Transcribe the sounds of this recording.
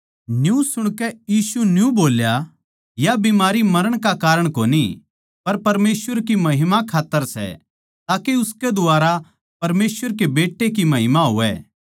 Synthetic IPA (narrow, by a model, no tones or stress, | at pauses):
njũsʊɽ̃kɛjiːsunjũboːlja | jabimaːɾimɐɾəɽ̃kakaːɾəɽ̃koːni | pɐɾpɐɾmeːsʋəɾkimɐɦɪmakʰaːt̪ːəɾsɛ̰ | t̪aːkeʊsked̪ʊaːɾa | pɐɾmeːsʋəɾkebeːʈːek̬imɐɦɪmaɦʊ̰ʋɛ̰ː